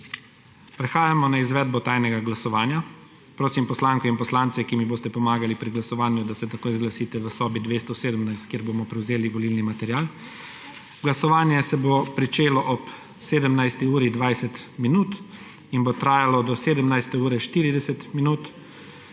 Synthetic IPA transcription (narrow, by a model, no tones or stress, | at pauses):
pɾɛxaːjamɔnaizʋɛːd̪̚bɔt̪aːjnɛɡaɡlasɔʋaːnja | pɾoːsimpɔslaːŋkɔinpɔslaːnt̪sɛkimiboːst̪ɛpɔmaːɡalipɾiɡlasɔʋaːnjud̪asɛt̪akoːjzɡlasiːt̪ɛʋəsɔːbid̪ʋeːst̪ɔseːd̪əmnajst̪kjeɾbomɔpɾɛwzeːliʋɔlilnimat̪ɛɾjaːl | ɡlasɔʋaːnjɛsɛbopɾit͡ʃeːlɔʔɔp | seːd̪əmnajst̪iuːɾid̪ʋajsɛt̪minuːt̪ | inbot̪ɾaːjalɔd̪ɔseːd̪əmnajst̪ɛuːɾɛʃt̪iːɾid̪ɛsɛt̪minuːt̪